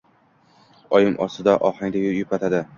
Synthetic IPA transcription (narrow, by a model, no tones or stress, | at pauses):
ɒjɪmʔɒsɪd̪aʔɒhaŋd̪ʲajjʊpʰat̪ʰad̪ɪ